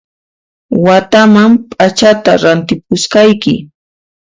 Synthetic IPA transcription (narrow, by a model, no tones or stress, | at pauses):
wat̪amampʼat͡ʃat̪aɾant̪ɪp̚ʊskɑjkɪ̰